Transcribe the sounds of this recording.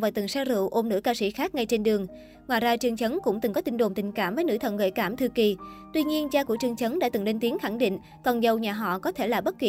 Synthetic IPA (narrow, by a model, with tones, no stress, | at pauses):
vaː˨˩t̪ɨ˨˩ŋsaː˧zɨ̰˧˨wʔo˧mnɨ̰˧˥əkaː˧sḭ˧˥xaː˦˥k̚ŋa˧jt͡ɕe˧nɗɨ˨˩əŋ | ŋwaː˧˨jzaː˧t͡ɕɨ˨˩əŋt͡ɕə˨˦nkʊ̰˧˥ŋ͡mt̪ɨ˨˩ŋkɔ˨˦t̪ï˧ŋ̟ɗo˨˩mt̪ï˨˩ŋ̟kaː˧˩mvəː˨˦jnɨ̰˧˥t̪ʰə̰˧˨nɣə̰˧˨jkaː˧˩mt̪ʰɨ˧ki˨˩t̪wi˧ɲi˧ənt͡ɕaː˧ku˧˩t͡ɕɨ˧˩əŋt͡ɕə˨˦nɗa̰ː˧˥t̪ɨ˨˩ŋle˧nt̪i˨˦ənxa˧˩ŋɗḭ˧˨ŋ̟ | kɔ˨˩nzə˨˩wɲaː˨˩ɦɔ̰˧˨kɔ˨˦t̪ʰe˧˩laː˨˩ɓə˦˥t̚ki˨